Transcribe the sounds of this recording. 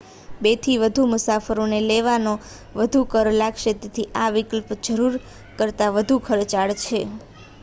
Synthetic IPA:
bet̪ʰiʋəd̪ʱumʊsafəɾoneleʋano | ʋəd̪ʱukəɾlaɡʃet̪et̪ʰiʔaʋikəlpd͡ʒəɾuɾ | kəɾt̪aʋəd̪ʱukʰəɾt͡ʃaɭt͡ʃʰe

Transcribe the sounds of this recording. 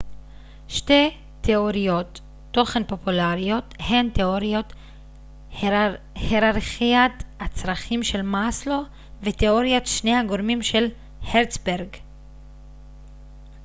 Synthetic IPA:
ʃte̞ | teoʁijo̞tː | o̞χenpo̞pulaʁijo̞t̪he̞nteoʁio̞t | heʁaʁχiat̪at͡sʁaχimʃe̞lmaslo̞ | veteo̞ʁjotʃnehaɡo̞ʁmimʃe̞l | heʁt͡sbeʁɡ

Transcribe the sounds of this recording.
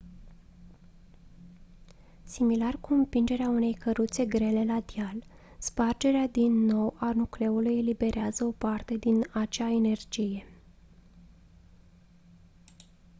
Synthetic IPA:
similarkuɨmpind͡ʒe̞ɾeaune̞jkəɾut̪se̞ɡɾe̞le̞lad̪jal | spard͡ʒe̞ɾead̪inːo̞wanukle̞ulujelibe̞ɾeazəo̞part̪e̞d̪inat͡ʃaene̞rd͡ʒije̞

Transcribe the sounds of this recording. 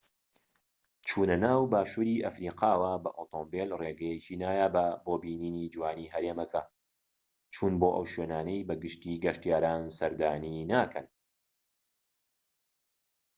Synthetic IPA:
t͡ʃʰuːnɐnaːwbaːʃuːɾiʔɐfɾiːqʰɑːwaːbɐʔoːt̪ʰoːmbelreːɡɛjɛciːnaːjaːbɐboːbiːniːniːd͡ʒwaːniːɦɐɾeːmɐkʰɐ | t͡ʃʰuːnboːʔɐwʃweːnaːnɐjbɐɡɨʃt̪iːɡɐʃt̪ijaːɾaːnsɐɾd̪aːniːnaːkʰɐn

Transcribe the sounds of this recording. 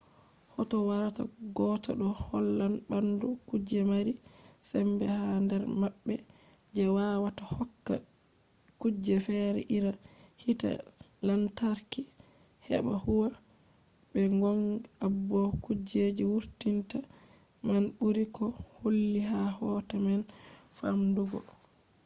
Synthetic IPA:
hɔtɔwaɾata̰ɡɔtɔ̰ɗɔhɔlːanbandukud͡ʒɛmaɾi | sɛmbɛhandɛɾmabːɛ | d͡ʒɛwaːwatahɔkːa̰ | kud͡ʒɛfɛɾɛ̰ʔiɾa | hita̰ | lantaɾki | hɛ̰ɓa̰huwa | bɛŋɡɔnabːɔkud͡ʒed͡ʒiwuɾtinta | manɓuɾikɔholːiɦahɔtaman | fa̰mduɡɔ̰

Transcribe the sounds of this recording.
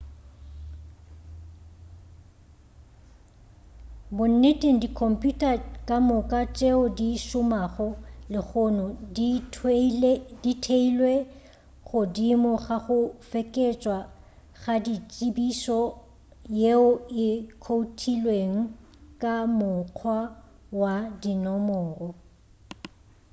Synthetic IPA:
bʊn̩netʼeŋ̩dikʰɔm̩pʼjutʼakʼamʊkʼat͡ʃʼeʊdiʃʊmaɣʊlɪɣʊnɔdi | ditʰeilwe | χʊdimɔɣaɣʊfɛkʼet͡ʃʼwa | ɣadit͡ʃʼibisɔ | jeʊɪkʰoutʰilweŋ̩ | kʼamʊq͡χʰwa | wadinɔmɔːrɔ

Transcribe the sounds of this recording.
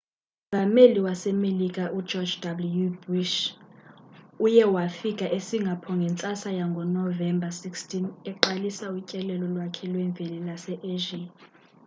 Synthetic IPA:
vʱameliwasɛmelikʼaʔu̥d͡ʒɔd͡ʒdabulujubuʃ | ujɛwafikʼaʔesiŋɡʱapʰɔŋɡʱɛnt͡sʼasajaŋɡʱɔnɔvɛmbʱasikstʰʼinɛǃalisaucʼɛlɛlɔlwakʰɛlwɛɱvʱɛlɛlasɛʔeʒi

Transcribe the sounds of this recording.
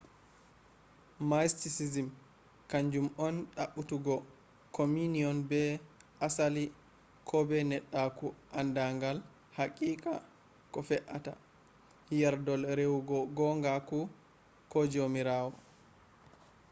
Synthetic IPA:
majstisizim | kaɲd͡ʒumɔnɗaɓːutuɡɔ | kominiɔnbɛʔasali | kʰɔbɛnɛɗːakuʔandaŋɡal | hakʼiːkʼa̰ | kɔfɛʔata̰ | hijaɾdɔlɾewuɡɔɡɔŋɡaku | kɔd͡ʒomiɾaːwɔ

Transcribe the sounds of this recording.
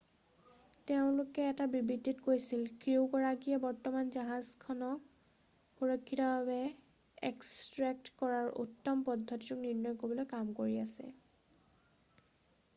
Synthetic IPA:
teʊ̃lʊkɛːtabibitːitkojsilkɹiwkɔɹaɡijɛbɔɹtɔmanzaɦazkʰɔnɔk̚ | pɔɹɔkʰːitɔbabɛ | ḛkstɹɛk̚tkɔɹaɹʔṵtːɔmpɔdʱːɔtiukniɹnɔjkobɔlojkamkoɹiasɛ̰

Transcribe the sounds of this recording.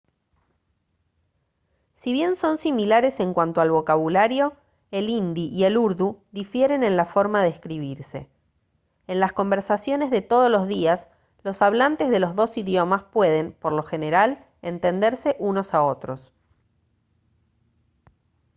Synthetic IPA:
siβje̞nso̞nsimilaɾe̞se̞ŋkwant̪oalβo̞kaβulaɾjo̞ | elind̪iʔie̞luɾðud̪ifje̞ɾe̞ne̞nlafo̞ɾmaðeeskɾiβ̞iɾse̞̰ː | nlasko̞mbe̞ɾsasjo̞ne̞zðe̞t̪o̞ð̞ozlo̞zðias | lo̞saβlant̪e̞zðe̞lo̞zðo̞siðjo̞maspwe̞ðe̞mpo̞ɾlo̞xeneɾal | ent̪e̞nd̪e̞ɾse̞ʔuno̞sao̞t̪ɾo̞s

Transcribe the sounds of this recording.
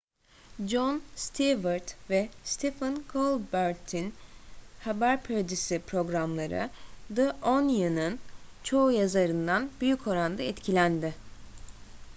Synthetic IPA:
d͡ʒonst̪ʰivɯɾt̪vɛst̪ʰefɯnkʰolˠbøɾt̪ʰinhabæɾpʰøɾd͡ʒ̪isipʰɾo̞ɡɾamlˠaɾɯ̰d̪ɯʔonjɯnɯnt͡ʃʰo̞ujazaɾɯnd̪anbyjycʰo̞ɾand̪aɛt̪cʰilʲænd̪ɪ

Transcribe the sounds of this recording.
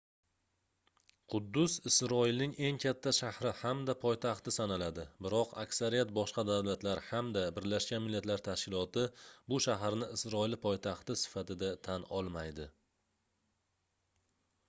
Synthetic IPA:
qʰʊd̪ːʊsɪsɾɒɪlnɪŋe̞ŋkʲʰat̪ʰːaʃahɾɪhamd̪apʰɒjt̪ʰaχt̪ɪsanalad̪ɪbɪɾɒqʰa̰kʲsaɾijat̪̚bɒʃqɑd̪awlat̪laɾhamd̪abɪɾlaʃkʲanmɪlːat̪laɾt̪ʰaʃkʲɪlˠɒt̪ɪbʊʃaɦaɾnɪɪsɾɒɪlɪpʰɒjt̪ʰaχt̪ɪsɪ̥fat̪ɪd̪at̪ʰanɒlˠmajd̪ɪ

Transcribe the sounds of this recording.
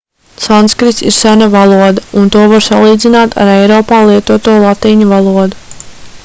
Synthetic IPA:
sanskɾit̪siɾsænavalˠuɔd̪aunt̪uɔvaɾsalˠiːd̪zinaːt̪ʰa̰ɾɛjɾɔːpaːlˠiɛt̪uɔt̪uːɔlˠat̪iːɲuvalˠuɔd̪u

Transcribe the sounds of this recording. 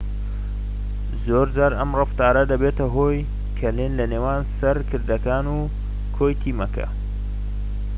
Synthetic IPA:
zoːɾd͡ʒaːɾɐmrɨft̪aːɾɐd̪ɐbeːt̪ɐɦoːj | kʰɐlinlɐneːwaːnsɐɾkʰɨɾd̪ɐkaːnuː | kʰoːjt̪ʰiːmɐkʰɐ̰

